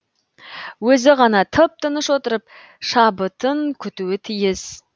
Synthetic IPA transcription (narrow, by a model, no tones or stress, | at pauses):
wɵzɪʁɑnɑt̪ʰəp̚t̪ʰənəʃwo̞t̪əɾəp̚ | ʃɑbət̪əŋkʲʰʏt̪uwɪt̪ʰijɪz̥